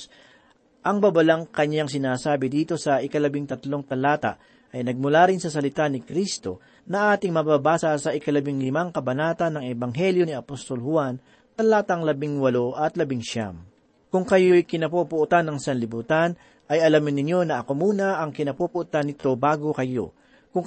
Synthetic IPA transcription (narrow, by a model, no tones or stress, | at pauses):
ʔɐŋbabɐlaŋkɐɲːaŋs̬ɪnaːsaːbɪd̪iːt̪o̞sɐʔɪkɐlɐbɪŋt̪ɐt̪lo̞ŋt̪ɐlaːt̪ɐ̰ʔ | ʔɐjnɐɡ̚mʊlaɾɪnsɐsɐlɪt̪anɪkɾist̪o̞̰ | nɐʔaːt̪ɪŋmɐbaːbaːsɐsɐʔɪkɐlɐbɪŋlɪmaŋkɐbɐnaːt̪ɐnːɐŋɛbɐŋɦɛljo̞niɐpost̪o̞lhʊan | t̪ɐlaːt̪ɐŋlɐbɪŋwɐlo̞ʔɐt̪lɐbɪŋʃa̰m | kʊŋkɐjo̞jkɪnɐpupʊʔt̪anːɐŋsɐnlɪbuːt̪an | ʔɐjɐlamɪnːɪɲːo̞nɐʔɐko̞muːnɐʔɐŋkɪnɐpupʊʔt̪anːɪt̪o̞baːɡo̞kɐjo̞̰ | kʊŋ